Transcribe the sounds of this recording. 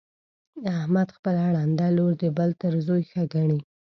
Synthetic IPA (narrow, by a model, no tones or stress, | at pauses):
ahmad̪xpəlaɽaamd̪ɑloɾd̪əbəlt̪əɾzojxəɡaɳi